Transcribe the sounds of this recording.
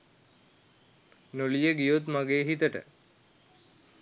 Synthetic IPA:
nolijəɡijut̪maɡeːɦit̪əʈə̰

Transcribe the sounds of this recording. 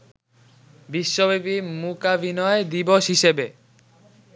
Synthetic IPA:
biʃːobibimukabinɔed̪iboʃɦiʃebe

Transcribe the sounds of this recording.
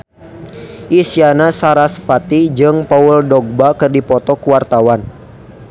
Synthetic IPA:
ʔisianasaɾasfat̪id͡ʒɨŋpauldɔɡ̚bakɨrdipɔt̪ɔkuwart̪awan

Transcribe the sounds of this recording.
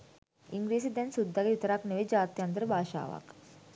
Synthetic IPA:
iŋɡɾiːsid̪ɛnsud̪ːaɡeit̪əɾakneʋed͡ʒaːt̪jant̪əɾəbʱaːʃa̰ːʋa̰k

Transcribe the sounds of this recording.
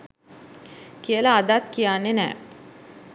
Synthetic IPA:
kiəlaːd̪at̪kijaːnːenɛ̰ː

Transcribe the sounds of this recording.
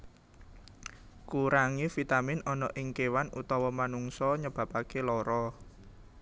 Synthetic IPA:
kuɾaŋifit̪amɪnɔnɔʔɪŋkewanut̪ɔwɔmanuŋsɔɲəb̥ä̤pakelɔɾɔ

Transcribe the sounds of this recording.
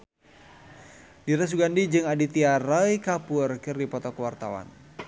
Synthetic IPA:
diɾas̬uɡandid͡ʒɨŋadit̪iaɾajkapʊrkɨrdipɔt̪ɔkəwart̪awa̰n

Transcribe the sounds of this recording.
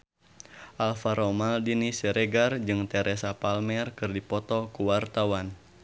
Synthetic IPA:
ʔalfaɾɔmaldinisɛɾɛɡard͡ʒɨŋt̪ɛɾɛsapalmɛrkɨrdipɔt̪ɔkuwart̪awan

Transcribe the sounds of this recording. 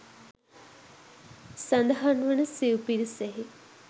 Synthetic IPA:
sɐnd̪ɐɦanʋənəsiupiɾiseɦi

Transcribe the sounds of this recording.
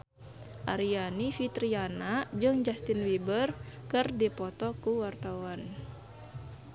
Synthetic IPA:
ʔaɾianifit̪ɾianad͡ʒɨŋd͡ʒast̪inwibərkɨrdipɔt̪ɔkuwart̪awan

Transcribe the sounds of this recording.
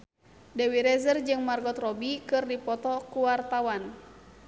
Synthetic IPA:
dɛwiɾɛzərd͡ʒɨŋmarɡɔt̪rɔbikɨrdipɔt̪ɔkuwart̪awan

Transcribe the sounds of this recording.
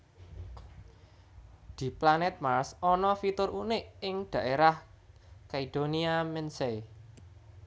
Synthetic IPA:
d̪̥i̤planɛt̪̚marsɔnɔfit̪ʊɾunɪʔɪŋɖ̪̥ä̤ʔeɾahkaid̪̥oniamɛnsej

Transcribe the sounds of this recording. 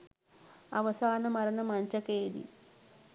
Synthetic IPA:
ɐʋɐsaːnɐmɐɾɐnɐmɐɲt͡ʃɐkeːd̪ḭ

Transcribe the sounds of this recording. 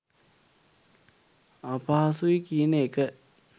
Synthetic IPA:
apaɦasuikiənəekə

